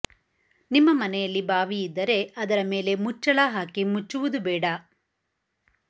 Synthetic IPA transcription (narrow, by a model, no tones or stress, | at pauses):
nimːɐmɐnɛjɐlːibaːʋiid̪ːɐɾe̞ɐd̪ɐɾɐme̞ːle̞mut͡ʃːɐɭaɦaːkimut͡ʃːuʋud̪ubɛːɽɐ